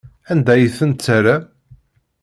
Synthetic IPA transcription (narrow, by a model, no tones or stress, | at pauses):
ænd̪æjəθənt̪t͡sːæɾa